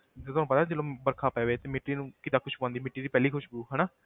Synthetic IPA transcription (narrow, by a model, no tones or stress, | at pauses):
t̪et̪ʊaːñːpət̪aːd͡ʒəːlõːbəɾkʰaːpɛːʋeːt̪eːmɪʈːiːnũːkɪd̪aːkʰʊʃbãːnd̪iːmɪʈːiːd̪iːpɛːliːkʰʊʃbuːɦɛːnaː